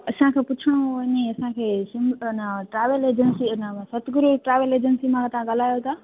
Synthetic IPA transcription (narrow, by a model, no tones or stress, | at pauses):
ɐsãkʰepʊt͡ɕʰəɽ̃oɲeɐsãkʰeːsɪ̃mnəʈɾaːʋəleːd͡ʑənsinəsɐt̪ʰɡʊɾuʈɾaːʋeleːd͡ʑənsimãt̪ɐãɠɐl̤aːjot̪ʰaː